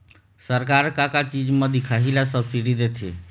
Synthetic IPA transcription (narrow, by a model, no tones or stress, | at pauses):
səɾk̬aɾkakat͡ʃid͡ʒmed̪ikʰaɦilasəbsiɽid̪et̪ʰḛ